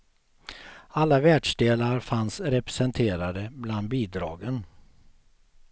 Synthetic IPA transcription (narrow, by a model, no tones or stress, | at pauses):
alːavæːɖʂɖ̪eːlaɾfansɾɛpɾɛsɛnt̪ʰeːɾad̪əbland̪̚biːd̪ɾɑ̰ːɡən